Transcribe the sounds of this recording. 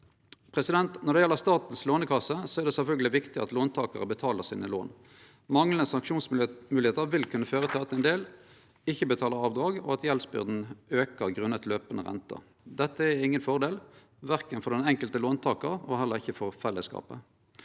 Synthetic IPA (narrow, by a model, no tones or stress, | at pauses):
pʰʁɛsɪd̪ɛnt̪nɔʁd̪ɛjɛlːəʁst̪ɑːt̪n̩sloːnəkʰɑsəsɔæʁd̪ɛsɛlfœlɡəlɪʋɪkt̪ɪɑt̪loːnt̪ʰɑːkɑʁəbət̪ʰɑːləʁsiːnəlo̰ːn | mɑŋlənəsɑŋkʃuːnsmʉːlɪheːt̪əʁʋɪlkʰʉnːəføːʁət̪ʰɪlɑt̪ɛnd̪eːl | ɪçːəbət̪ʰɑːləʁɑːʋd̪ʁɑːɡɔ̰ɑt̪jɛlsbʏ̰ʁd̪n̩øːkəʁɡʁʉnːət̪løːpənəʁɛ̰nt̪ʰə̰ | d̪ɛt̪ːəæɪŋːənfɔʁd̪eːl | ʋæʁkənfɔʁd̪ɛnɛŋkəlt̪əloːnt̪ʰɑːkɑʁɔhɛlːəʁɪçːəfɔʁfɛlːəskɑ̰ːpə̰